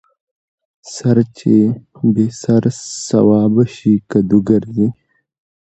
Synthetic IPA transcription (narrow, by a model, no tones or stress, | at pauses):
sɐɾt͡ʃʰebesɐɾsɐ̰wɑːbɐɕikɐd̪uɡɐɾd̪i